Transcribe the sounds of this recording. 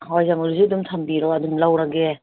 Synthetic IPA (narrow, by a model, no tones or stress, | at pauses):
ɦɔjzamɔɾziadumtʰambiɾɔadumlawɾaɡe